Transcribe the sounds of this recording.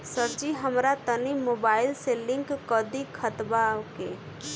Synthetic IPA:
səɾt͡ʃiɦəmɾat̪ənimobaːɪlselɪ̃ŋkːəd̪ikʰːət̪bake

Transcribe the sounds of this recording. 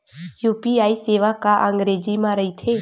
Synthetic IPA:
juːpiaːiseːʋakaʔə̃ŋɡɾeːd͡ʒimãɾəit̪ʰeː

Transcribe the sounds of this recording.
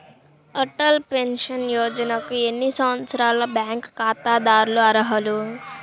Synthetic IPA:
ɐʈɐlpenʂɐnjɔːd͡ʒɐnɐkue̞nːisɐʋɐt̪sɐɾaːlɐbjaːŋkːaːt̪aːd̪aːɾuluɐɾɐɦɐlu

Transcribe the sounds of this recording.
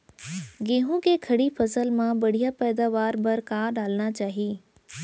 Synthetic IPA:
ɡẽːɦũkekʰɐɽifʰɐsəlmãbɐɽ̤ijapɛːd̪aːʋaːɾbɐɾkaːɾɖaːlnat͡ʃaːɦiiː

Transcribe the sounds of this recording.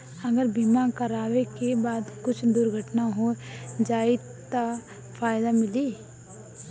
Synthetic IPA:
ɐɡəɾbimakɐɾaːʋekebaːd̪kʊt͡ʃʰd̪ʊɾɡʱəʈnaɦod͡ʒaːɪ | t̪a | faːɪd̪amɪliː

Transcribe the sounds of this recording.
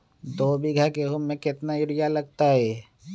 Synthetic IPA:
d̪oːbiɡʱəkeɦʊmːẽkɪt̪naʊɾijalɐɡ̚t̪aɦɛː

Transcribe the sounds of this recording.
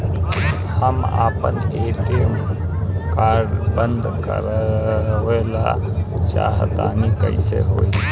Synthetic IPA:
həma̰ːpəneʈin | kaːɾɖbənd̪kə̰ɾ | oelat͡ʃa̰ɦt̪anikəɪsḛɦoi

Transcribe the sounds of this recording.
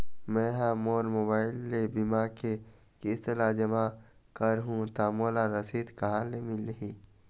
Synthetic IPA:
mɛ̃ːɦãmoːɾmoːbaːɪlːebimake | kiɪst̪ɪlad͡ʒɐmakəɾɦũt̪aːmoːlaɾɐsiːd̪kɐɦaːlemilɦĩː

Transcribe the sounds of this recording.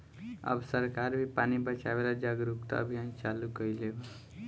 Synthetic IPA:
ə̰bsəɾkaɾbʱipanibət͡ʃabelad͡ʒaɡɾukt̪a̰ə̰bʱijant͡ʃalukəileb

